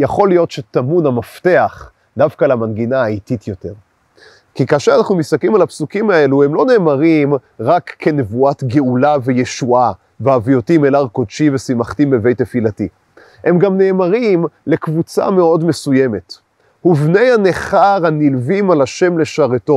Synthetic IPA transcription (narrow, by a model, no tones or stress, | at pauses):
jaχo̞lijo̞tʃetamunamafte̞aχ | davkalamanɡinaːititjo̞te̞ʁ | kikaːʃeʁanaχnumisaklimalapsukimae̞lue̞mlo̞neːmaʁimʁakːʰe̞ne̞vuatɡe̞ulave̞je̞ʃua | veavijo̞timelaʁkodʃivesimaχtimeve̞jtːefilati | e̞mɡamne̞ːmaʁimle̞kvut͡sa̰me̞o̞dme̞suje̞me̞t | huvne̞jhane̞χaʁhanilvimalaʃe̞mle̞ʃaʁeto̞